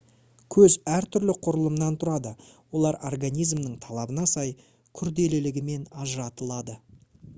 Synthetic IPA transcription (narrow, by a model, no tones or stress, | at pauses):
kʲʰɵzæɾt̪ʰʏɾlɪqʰʊɾəlˠəmnɑnt̪ʰʊɾɑd̪əwo̞lˠɑɾorɡanʲijzmnəɴt̪ʰɑlˠɑbənɑsɑj | kʲʰʏɾd̪e̞lɪlɪɡʲɪme̞nɑʒəɾɑt̪əlˠɑd̪ə